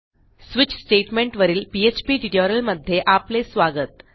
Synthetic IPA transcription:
sʋit͡ɕsʈeʈmẽɳʈʋəɾiːlpiet͡ɕpiːʈiʈjoɾəlməd̪ʱːjeʔaplesʋaɡət̪̚

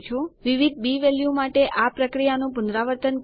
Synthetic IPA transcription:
t͡ʃʰoʋiʋid̪̚ʱbiʋɛljumaʈeʔapɾəkɾijanũpʊnd̪ɾaʋəɾt̪ənk

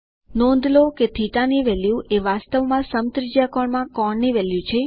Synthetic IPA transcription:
nɔ̃nd̪loket̪ʰiʈaniʋɛljũeʋast̪əʋmãsəmt̪ɾid͡ʒjakɔɳmãkɔɳniʋɛljũt͡ʃʰe

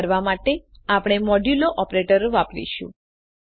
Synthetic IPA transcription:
ɾʋamaʈe | apɽ̃emɔɖuloʔɔpɾeʈəɾʋapɾḭʃṵ̃

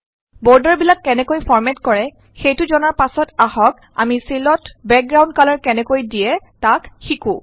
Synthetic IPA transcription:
bɔɹdaɹbilakːɛnɛkojpʰɔɹmɛtkɔɹɛ | xejtʊzɔnaɹpasɔtahɔk | a̰misilɔtbɛk̚ɡɹaw̃ndkalɔɹkɛnɛkojdijɛtakxikũ

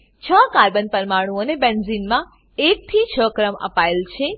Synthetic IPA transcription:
t͡ʃʰəkaɾbənpəɾmaɽ̃ũonebenzinmã | ek̚t̪ʰit͡ʃʰəkɾəmə̰paelt͡ʃʰe

